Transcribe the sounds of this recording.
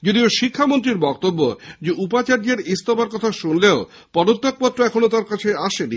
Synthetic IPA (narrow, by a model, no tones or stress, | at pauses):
d͡ʑod̪ioʃikʰːamont̪̬ɾiɾbɔk̚t̪obːod͡ʑeʔupat͡ɕaɾd͡ʑeɾist̪ɔbaɾkɔt̪ʰaʃunleo | pɔd̪ot̪ːok̚pɔt̪ːɾoɛkʰonot̪aɾkat͡ɕʰeaʃeni